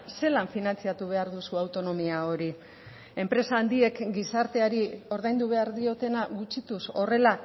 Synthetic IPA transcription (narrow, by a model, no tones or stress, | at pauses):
se̞laɱfinant͡siat̪uβ̞e̞aɾðusuawt̪o̞no̞miao̞ɾi | e̞mpɾe̞saːnd̪ie̞kɡisaɾt̪e̞aɾio̞ɾðajnd̪uβ̞e̞aɾðio̞t̪e̞naɣut͡ʃit̪uso̞re̞la